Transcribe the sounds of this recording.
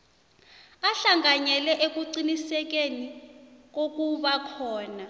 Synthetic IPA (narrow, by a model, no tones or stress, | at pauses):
aɬaŋaɲɛlɛʔek̬uǀinisɛk̬enik̬ok̬uɓakʰɔːna